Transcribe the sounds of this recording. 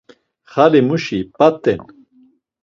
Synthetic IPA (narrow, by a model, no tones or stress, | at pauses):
xalimuʃipat̪ːɛn